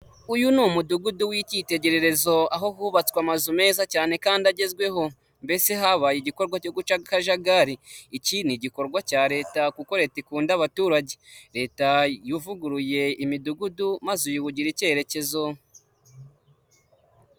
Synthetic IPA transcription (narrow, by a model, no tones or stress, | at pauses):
ujunuːmuduɡuduwicite̞ɟe̞ɾe̞ɾe̞zo̞aɦo̞huβat͡swamazume̞ːzacaːne̞kaːndaɟe̞zɡwe̞ɦo̞ | mbe̞se̞ɦaβajiɟiko̞ɾɡwaco̞ɡut͡ʃaɡkaʒaɡaɾiːciniɟiko̞ɾɡwacaːɾe̞ːtakuko̞ɾe̞ːtikuːndaβatuːɾaɟe̞ɾe̞ːtajuvuɡuɾuje̞imiduɡudumazujuβuɟiɾice̞ɾe̞ce̞zo̞